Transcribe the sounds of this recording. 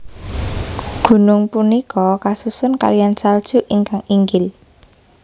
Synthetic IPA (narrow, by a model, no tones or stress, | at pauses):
ɡ̥ṳnʊŋpunikɔkasusʊnka̰lijansald̥ʒ̥ṳʔiŋkaŋiŋɡɪl